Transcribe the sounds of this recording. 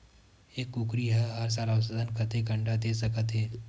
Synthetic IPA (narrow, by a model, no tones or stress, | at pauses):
eːkːukɾiɦɐɦɐɾs̬aːlaʊs̬əd̪ʱənkət̪eɡɐ̃ɳɖad̪eːsɐkət̪ɦeː